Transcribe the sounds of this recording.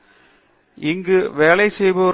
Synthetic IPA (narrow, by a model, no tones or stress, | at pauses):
ɪŋɡɯʋeːlɐɪsɛjbɐ